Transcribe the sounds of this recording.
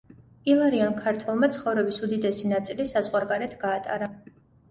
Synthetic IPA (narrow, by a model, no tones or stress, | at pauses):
ilˠaɾiɔnkʰaɾt̪ʰwɛlˠmat̪sʰχɔvɾɛbisud̪id̪ɛsinat̪sʼilisazʁwaɾɡaɾɛt̪ʰɡaːt̪ʼa̰ɾa